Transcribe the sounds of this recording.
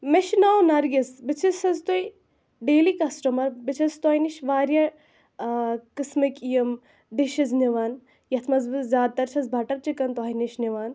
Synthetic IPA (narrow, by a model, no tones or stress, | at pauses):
meʃnawnɐɾɡɐsbɪt͡ʃʰisɐzt̪oi | ɖeːlikɐsʈɐmɐɾbit͡ʃʰɐst̪ɔːjniʃʋaːɾjɐ | kɨsmɨkijɐm | ɖiʃɐzniʋɐːn | jɐt̪ʰmɐzbɨzzʲjaːd̪̚t̪ɐɾt͡ʃʰɐzbʱɐʈɐɾt͡ʃikɐnt̪ɔːiniʃniʋaːn